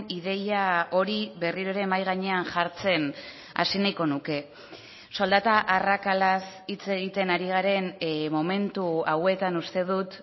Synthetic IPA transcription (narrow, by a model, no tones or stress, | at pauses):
niðe̞jao̞ɾiβe̞riɾoɾe̞majɣ̞aɲe̞anʝaɾt͡se̞n | a̰sinajko̞nuke̞ | so̞ld̪at̪aʔarakalasit͡se̞ɣ̞it̪e̞naɾiɣ̞aɾe̞nmo̞me̞nt̪uawe̞t̪anust̪e̞ð̞ut̪